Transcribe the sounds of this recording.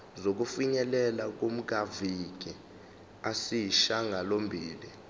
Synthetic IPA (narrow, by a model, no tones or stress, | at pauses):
zok̬ufiɲɛlɛlak̬om̩k̬aviɡ̥̬ʱi | asijiʃaŋʱalombʱiːli